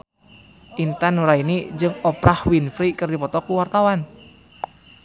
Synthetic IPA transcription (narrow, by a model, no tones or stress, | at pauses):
ʔint̪anuɾainid͡ʒɨŋɔpɾahwinfɾikɨrdipɔt̪ɔkuwart̪awan